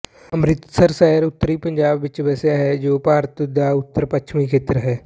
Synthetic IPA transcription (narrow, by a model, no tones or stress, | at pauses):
əmɾɪt̪səɾsɛːɾʊt̪ːəɾipə̃ɲd͡ʒaːbʋɪt͡ʃʋɛːsjaɦɛd͡ʒoːpaːɾt̪d̪aʊt̪ːəɾpəkːʃʰmikʰeːt̪ɾəɦɛː